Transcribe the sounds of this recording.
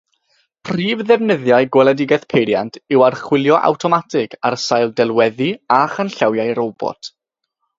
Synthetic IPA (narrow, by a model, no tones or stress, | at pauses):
pʰriːvðɛvnɪðjajɡwɛlˠɛdɪɡɛθpʰejɾjantʰɪwarχwɪlˠjɔʔa̰wtʰɔmatʰɪɡarsajlˠdɛlˠwɛðiaχənɬawjajɾobɔ̰tʰ